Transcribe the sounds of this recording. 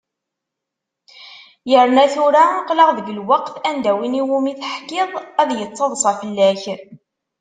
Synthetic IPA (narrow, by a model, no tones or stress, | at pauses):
jəɾnæθuɾaqləʁðəɡəlwɑqθænd̪æwiniwumiθħkɪðˤæðjət͡sːɑðˤsˤɑfəlːæç